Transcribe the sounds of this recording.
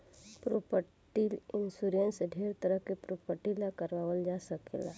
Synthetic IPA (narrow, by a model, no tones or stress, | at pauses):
pɾopəʈʈilɪnsuɾənseɖʱeːɾt̪əɾəɦkepɾopəɾʈilakəɾʋaːʋəld͡ʒaːsəkḛla̰ː